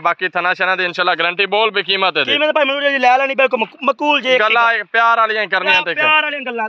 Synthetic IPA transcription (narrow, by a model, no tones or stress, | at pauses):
baːkiːt̪ʰənaːʃɛːnãːd̪iːɪnʃaːlːaːɡɾə̃ɳʈiːboːlbiːkiːmət̪eːiːmɛːd̪apaːiːmənuːɾaːd͡ʒiːlɛːlɛːñiːbɪlkʊlməkuːld͡ʒeːɡəlːaːpjaːɾaːlɪjãːĩkəɾniãːt̪eːɾəlːa